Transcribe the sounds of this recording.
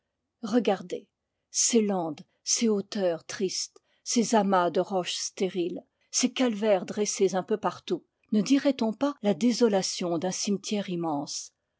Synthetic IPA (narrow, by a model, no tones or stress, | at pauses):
ʁəɡaʁd̪e | selɑ̃d̪ | seot̪œʁt̪χist̪ | sezamad̪əʁɔʃst̪eʁil | sekalvɛʁd̪ʁɛsezɛ̃pøpaʁt̪u | nəd̪iʁɛt̪ɔ̃palad̪ezɔlasjɔ̃d̪ɛ̃simt̪ʰjɛʁimɑ̃s